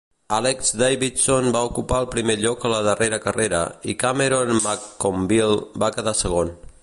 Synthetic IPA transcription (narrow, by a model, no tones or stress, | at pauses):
alekzd̪ajβit̪sonbaukupaəlˠpɾimeʎɔkələðəreɾəkəreɾə̰ikameɾonmakːombilˠbakəðasəɣ̞on